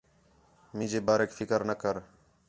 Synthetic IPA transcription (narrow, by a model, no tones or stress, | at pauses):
mĩːd͡ʒeːbaːɾeːkːfʰɪkəɾnəkəɾ